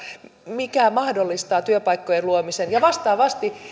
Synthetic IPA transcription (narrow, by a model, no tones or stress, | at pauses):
mikæmɑhdolːist̪ɑːt̪yøpɑjkːojenluomisenjɑʋɑst̪ɑːʋɑst̪i